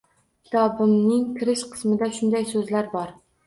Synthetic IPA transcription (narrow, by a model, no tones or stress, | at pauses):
kʲʰɪ̥t̪ʰɒbɪmnɪŋkʰʲɪɾɪʃqʰɨ̥smɪd̪aʃʊnd̪ajsɵzlaɾbɒɾ